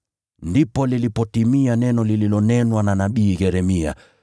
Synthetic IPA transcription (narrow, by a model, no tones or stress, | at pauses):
ndipɔlilipɔtimianɛnɔlililɔnɛnwananaɓiːɣɛɾɛmia̰